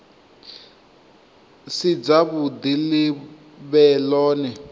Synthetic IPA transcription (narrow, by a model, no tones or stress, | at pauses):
sid͡zaβud̪ili | βɛlɔːnɛ